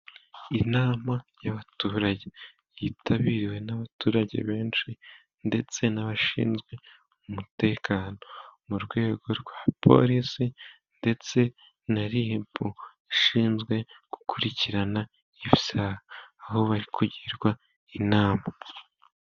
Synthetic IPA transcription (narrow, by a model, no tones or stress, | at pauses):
inaːmajaβatuːɾaɟe | jiːtʰaβiɾiwe̞naβatuːɾaɟe̞̰βe̞ːnʃi | nde̞t͡se̞naβaʃḭːnzɡwe̞ | umute̞ːkʰaːno̞muɾɡwe̞ːɡo̞ɾɡwaːpʰo̞̰ɾisi | nde̞t͡se̞ | naɾihipu | iʃiːnzɡwe̞ɡ̥u̥kʰuɾiciɾana | iβisahaːho̞βaɾikʰuɟiɾɡwa | inaːma